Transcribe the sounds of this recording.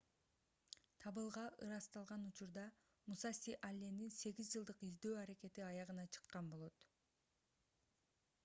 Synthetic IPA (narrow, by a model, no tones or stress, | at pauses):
t̪ʰɑβɯlˠʁɑʔɯ̰ɾɑst̪ɑlˠʁɑnut͡ʃuɾd̪ɑ | musɑsiʔalʲːe̞ninse̞ɡizd͡ʒɯlˠd̪ɯqizd̪ø̞ːɑɾeke̞t̪iɑjɑʁɯnɑt͡ʃʰɯ̥qːɑnbo̞lˠo̞t̪